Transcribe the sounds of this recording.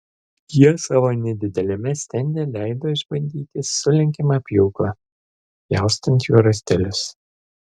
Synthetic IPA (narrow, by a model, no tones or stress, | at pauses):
jiɛsɑːʋoːnʲɛd̪ʲɪd̪ʲɛlʲɪmʲɛsʲt̪ʲɛnʲd̪ʲɛːlʲæɪd̪oːɪʒbɐnʲd̪ʲiːt̪ʲɪsʊlʲɪŋʲkʲɪmɑpʲjuːklˠɐ | jɑˑʊst̪ɐnʲt̪juːɾɐsʲt̪ʲɛlʲʊs